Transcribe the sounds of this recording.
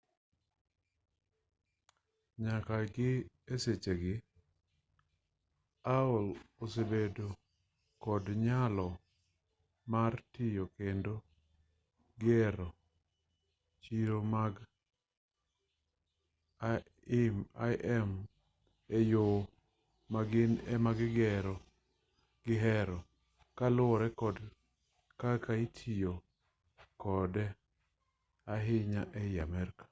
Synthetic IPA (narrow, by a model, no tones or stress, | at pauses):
ɲakaɡɪ | eset͡ʃeɡɪ | aolosebedo | kɔdɲalɔ | martɪjokendo | ɡɛɾɔ | t͡ʃiɾomaɡ | a | ima̰ʔɛm | ejo | maɡɪnɛmaɡɡɛɾɔ | ɡ̥ɪɦɛɾɔ | kalʊɔɾɛkɔd | kakaitʰijo | kɔdɛ | aɦɪɲaʔɛjamɛrkḁ